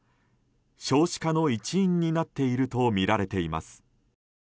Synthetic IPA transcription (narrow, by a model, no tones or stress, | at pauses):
ɕo̞ːɕi̥kano̞it͡ɕiĩɲ̟ːinat̪ːe̞iɾɯ̟t̪o̞mʲiɾaɾe̞t̪e̞ima̰sɨ̥